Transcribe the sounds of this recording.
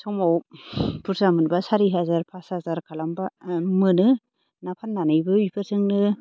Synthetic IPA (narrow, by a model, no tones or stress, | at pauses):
sɔmawpʰuɾsamɯnbasaɾiɦazaɾpʰashazaɾkʰalambamɯnɯ | napʰanːanɯjbɯwipʰɯɾsʰɯŋnɯ